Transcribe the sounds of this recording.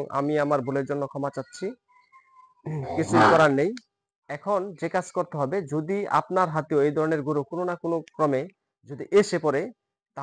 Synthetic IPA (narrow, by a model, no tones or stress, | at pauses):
ŋa̰miamaɾbʱuleɾd͡ʑonːokʰɔmat͡ɕatːɕʰi | kit͡ɕʰuikɔɾanej | ɛkʰond͡ʑekad͡ʑkoɾt̪eɦɔbed͡ʑod̪ia̰pnaɾɦat̪eoejd̪ʱɔɾoneɾɡuɾokononakonokɾɔme | d͡ʑod̪iʔeʃepɔɾe | t̪a